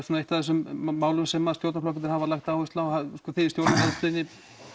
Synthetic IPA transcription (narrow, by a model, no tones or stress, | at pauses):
sunaeht̪aθɛs̬ʏmːaːwlʏmsɛmːaðst̪jowɾt̪aflɔkɪɪɾhavalajxt̪aːwɪst̪awskɔθet̪jowɾt̪naɦɛnst̪lɪnɪ